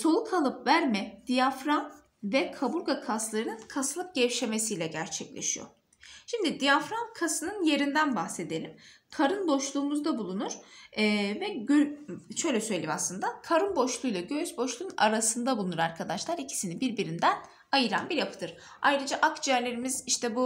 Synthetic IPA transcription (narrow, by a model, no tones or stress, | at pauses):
so̞lˠukʰalˠɯpvæɾmɛd̪̥ijafɾan | vɛkʰabuɾɡakʰaslˠaɾɯnɯnkʰaslˠɯp̚ɟ̥ɛvʃe̞me̞sijlʲɛɟæɾt͡ʃʰɛclʲḛʃijo̰ | ʃimd̪id̪ijafɾankʰasɯnɯnje̞ɾind̪ænbaxse̞d̪elʲim | kʰaɾɯnbo̞ʃlˠuːmuzd̪abulˠunuɾ̥ː | vɛøʃø̞jlʲɛsø̞jlʲeima̰slˠɯnd̪akʰaɾɯnbo̞ʃlˠujlˠaɟøyzbo̞ʃlˠuna̰ɾasɯnd̪abulˠunuɾaɾkʰad̪aʃlˠaɾicʰi̥sinibiɾbiɾind̪æn | ajɯɾa̰nbiɾjapʰɯ̥d̪ɯɾ | ajɾɯd͡ʒaʔakd͡ʒiæɾlʲe̞ɾimiziʃt̪ʰɛbu